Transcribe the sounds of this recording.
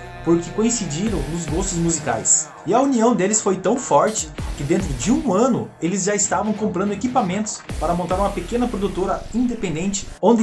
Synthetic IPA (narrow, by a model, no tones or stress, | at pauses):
poɾkɪkõĩsid͡ʒiɾɐ̃w̃nʊzɡost̪ʊzmuzika̰js | ɪɐuniɐ̃w̃d̪elɪsfojt̪ɐ̃w̃fɔɾt͡ʃɪ̥kɪd̪ẽnt̪ɾʊd͡ʒɪũɐ̃nʊ̰elɪzʒaɪst̪avɐ̃w̃kõmpɾɐ̃nd̪ʊekipamẽnt̪ʊ̥spaɾɐmõnt̪aɾũmɐpekẽnɐpɾod̪ut̪oɾɐĩd̪epẽnd̪ẽnt͡ʃɪ̥õd̪ɪ